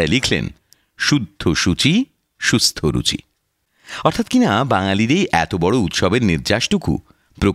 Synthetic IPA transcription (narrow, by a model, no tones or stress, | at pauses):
elikʰlḛn | ʃud̪ʱːoʃut͡ɕi | ʃust̪ʰoɾṵt͡ɕḭ | ɔɾt̪ʰat̪kinabaŋaliɾejʔɛ̰t̪obɔɽout̪ʃɔbeɾniɾd͡ʑaʃʈukʰṵ | pɾo